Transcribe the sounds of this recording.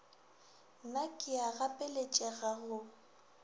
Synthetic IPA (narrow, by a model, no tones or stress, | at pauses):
nakʼɪaɣapʼɛlet͡ʃʼɛɣaɣʊ